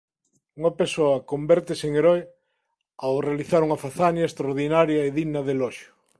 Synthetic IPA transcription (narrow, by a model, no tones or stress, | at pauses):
uŋɐpesoɐkombɛɾt̪eseŋeɾɔj | awrealiθaɾuŋɐfaθanjɐest̪ɾaoɾðinaɾjɐeðiɣnɐðelɔʃjʊ